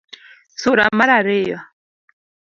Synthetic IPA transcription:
suɾamaɾaɾɪja

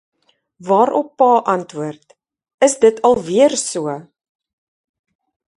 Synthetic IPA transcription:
vɑːɾɔpːɑːʔɐntvuərt | əsdətʰɐlˠviərsuə

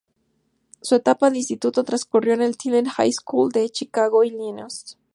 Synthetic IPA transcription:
suet̪apaðeinst̪it̪ut̪ot̪ɾanskurjo̞enelt̪ʰilenxa̰jskuld̪e̞t͡ʃikaɣoilinos

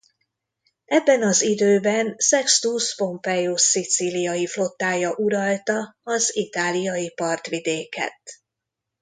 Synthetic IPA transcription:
ɛbːɛnɒzid̪øːbɛnsɛkst̪uspo̞mpɛjosit̪silijɒjiflo̞t̪ːaːjɒʔuɾɒlt̪ɒɒzit̪aːlijɒjipɒrt̪ʋid̪eːkɛ̰t̪

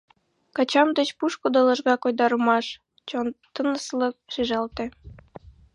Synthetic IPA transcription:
kɑt͡ɕɑmd̪ə̆t͡ɕpuʃkod̪ɤlɤ̆ʒɣɑkojd̪ɑɾəmɑʃ | t͡ɕont̪ɤnəslɤ̆k̚ʃiʒɑlt̪ĕ

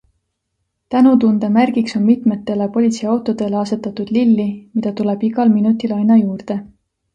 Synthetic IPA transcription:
t̪ænut̪und̪̥emærɡ̥ikso̞nmit̪met̪ːˑe̞lepo̞lʲit̪siɑwt̪ːˑo̞d̪̥e̞leɑse̞t̪ːˑɑt̪ud̪̥lilːimid̪ɑt̪ule̞b̥iɡɑlminut̪ːˑilɑjnɑjuːrd̪̥e̞

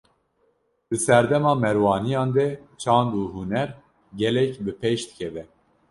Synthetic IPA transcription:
d̪̥ɨsɛɾd̪ɛmɑːmɛɾwɑːnijɑːnd̪ɛt͡ʃʰɑːnd̪uːɦunɛɾ | ɡɛlɛkbɨpʰeʃd̪ɨ̥kʰɛvɛ

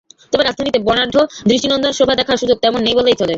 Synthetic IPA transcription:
t̪obeɾad͡ʑd̪ʱanit̪ebɔnaɾɖʱːod̪ɾiʃʈinɔnd̪onʃobʱad̪ɛkʰaɾʃud͡ʑoɡ̚t̪ɛmonːejbolejt͡ɕʰole

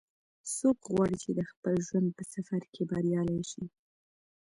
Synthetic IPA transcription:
sokɣwɑɽit͡ʃed̪əxpəlʒwand̪̚pəsafaɾkebɑɾjɑlajʃi

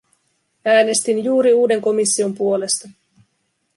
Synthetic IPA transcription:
æːne̞st̪injuːɾiuːde̞ŋko̞misːio̞mpuo̞le̞st̪ɑ

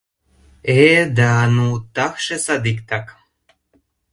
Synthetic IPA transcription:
ed̪anut̪axʃesad̪ikt̪ak

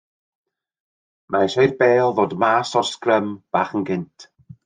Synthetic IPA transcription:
mʔajsɔjrbeːlˠðoːdmaːsɔskrəmb̥aːχənɡɪntʰ

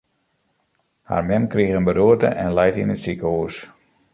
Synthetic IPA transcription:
ha̰rmɛnkrixənbəduətə̰ʔɛnlajtḭnətsikəhuəs

